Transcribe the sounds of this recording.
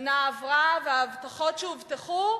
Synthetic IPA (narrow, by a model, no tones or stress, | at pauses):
naːvʁaveaːvtaχo̞tʃeuvteχu